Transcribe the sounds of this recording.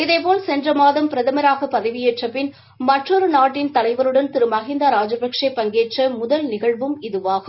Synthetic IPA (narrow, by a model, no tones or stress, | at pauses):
ɪðɐɪp̬oːlsɛndrɐmaːðɐmpɪɾɐðɐmɐɾaːɣɐpɐðɐɪʋɪjeʈrɐpːɪn | mɐʈrɔɾɯnaːʈːɪnt̪ɐlɐɪʋɐɾɯɽɐnt̪ɪɾɯmɐɣɪnd̪aɾaːd͡ʒɐbɐkʂɐɪpːɐŋɡeːʈrɐmʊðɐlnɪɣɐɭʋɯmɪðɯʋaːɣɯ